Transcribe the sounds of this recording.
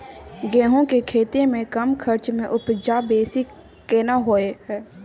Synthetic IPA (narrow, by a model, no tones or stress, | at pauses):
ɡɛ̃ːɦõkekʰeːt̪emẽkəmkʰəɾt͡ʃmẽʔʊpd͡ʒaːbeːsi | keːnaɦoːeɦɛː